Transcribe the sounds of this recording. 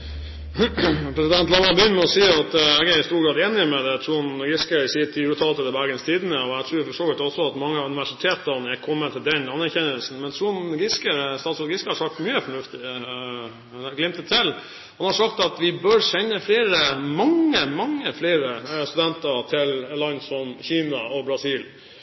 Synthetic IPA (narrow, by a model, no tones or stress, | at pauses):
pʰɾɛsɪd̪ɛnt̪lɑnːɑɾbəʏnt̪mɛɔsiːɑt̪ɛɡæɾɪst̪uːɾɡɾɑːd̪eːnɪmɛd̪ɛt̪ʰɾuːnɡɪskəɪsiːt̪ʰɪʉːt̪ʰɑlt̪əd̪əbæɾɡənst̪ʰiːd̪ənəɔæt̪ʰɾʉːfɔʂtoːlɪt̪ɔsɔɑt̪mɑŋːəɑʉnɪʋæʂɪt̪ʰeːt̪əɾnɛkʰɔmːət̪ʰɪld̪ɛnɑnæɾçɛnəlsn̩mɛnt̪ʰɾuːnɡɪskəst̪ɑt̪sɔlɡɪskəhɑɾʂɑk̚t̪myːəfɔɳʉft̪ɪ | nɡlɪmt̪ət̪ʰːɪl | hɑnhɑɾʂɑkt̪ɑt̪ʋɪbœɾʂɛnːəfleːɾəmɑŋːəmɑŋːəfleːɾəst̪ʉd̪ɛnt̪əɾt̪ʰɪlɛlɑnsɔmçiːnɑʔɔbɾɑsiːl